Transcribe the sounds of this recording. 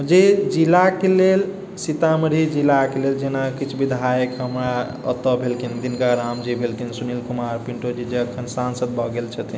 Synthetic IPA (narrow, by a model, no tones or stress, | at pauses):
d͡ʒed͡ʒilakelel | sit̪aməɾid͡ʒilakeleld͡ʒenakit͡ʃʰbʱid̪ʱajəkɦəmɾa | ə̰t̪ːəbʱelkʰind̪inkaɾamd͡ʒibʱelkʰinsunilkumaɾpiɳʈod͡ʒid͡ʒeəkʰənsansəd̪̚bʱɔɡelt͡ʃʰət̪i